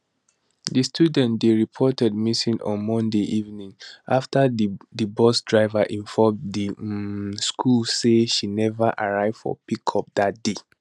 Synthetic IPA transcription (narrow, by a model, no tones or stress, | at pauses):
dəstʰjudɛ̃ntd̪eɹipʰɔtɛd̚misĩnʔɔ̰̃nmɔ̃ndeʔivnĩŋʔaftədəbɔsdɹaɪvaʔĩɱfɔmdi | skʰulseʃinɛvəʔaɹaɪv̥fɔ̰pikʰɔp̚dat̚d̥e